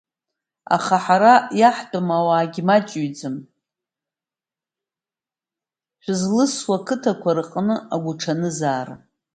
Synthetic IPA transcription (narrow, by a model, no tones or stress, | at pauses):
a̰χaħaɾajaħdʼamawaːɡʲmat͡ʃʼuɥd͡zɨm | ʃʷᶣzlɨswakʰɨtʰakʷaɾɨqʼnɨaɡʷʊʈ͡ʂʰanɨzaːr